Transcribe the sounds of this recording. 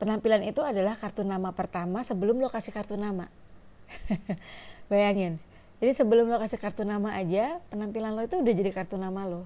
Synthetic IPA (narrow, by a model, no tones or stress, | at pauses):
pənampilanit̪uadalahkart̪unamapərt̪amasəbəlʊmlokasɪhkart̪unama | bajaŋɪn | d͡ʒadisəbəlʊmlokasɪkart̪unamaʔad͡ʒapənampilanloit̪uːdahd͡ʒadikart̪unamaloh